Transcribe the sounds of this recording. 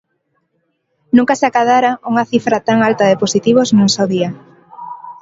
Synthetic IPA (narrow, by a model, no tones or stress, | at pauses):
nũŋkasɪakaðaɾauŋaθifɾat̪aŋalt̪aðɪposit̪iβ̞oznũsewðia